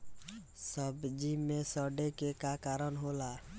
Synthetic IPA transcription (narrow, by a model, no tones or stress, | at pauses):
səbd͡ʒimesəɖekekakaɾənɦola